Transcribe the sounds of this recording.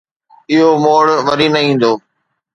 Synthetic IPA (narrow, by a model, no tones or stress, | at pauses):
ɪɦomoːɽʋɐɾinɐɦĩːn̆d̪oː